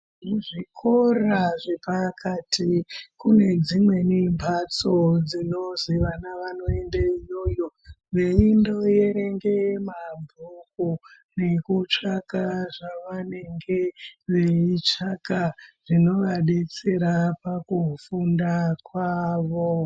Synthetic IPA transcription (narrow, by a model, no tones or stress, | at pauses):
muʐikʰoraʐepakʰatʰikune̞d͡zimwe̞nimbʱat͡so̞d͡zino̞ziʋanaʋano̞e̞ndaijo̞joʋe̞indo̞je̞ɾe̞ŋɡe̞mabʱuku | ne̞kut͡ʂakaʐaʋane̞ŋɡeʋe̞it͡ʂakaʐ̥ino̞ʋaɗet͡seɾapakufundakwaːʋo